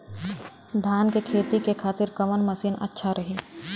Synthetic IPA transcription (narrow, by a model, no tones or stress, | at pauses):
d̪ʱaːnkekʰeːt̪ikekʰaːt̪ɪɾkɐʋənməsiːnə̰tːʃʰaɾɐɦiː